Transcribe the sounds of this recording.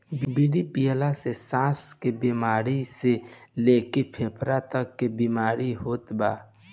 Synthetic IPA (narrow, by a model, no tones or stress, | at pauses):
bbiɽipijəlasesãːskebimaːɾise | leːkepʰeːpʰɾat̪əkːebimaːɾiɦoːt̪baː